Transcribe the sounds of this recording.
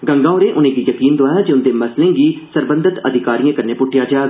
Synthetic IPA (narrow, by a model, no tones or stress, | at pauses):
ɡə̃ŋɡãːʊɾẽːʔʊnẽːɡiːjəkiːnd̪oaːjaːd͡ʒeʊnd̪eːməslẽːɡiːsəɾbə̃nd̪ət̪əd̪ʱɪkaːɾijãːkəɾneːpʊʈʰːɪjaːd͡ʒaːɡ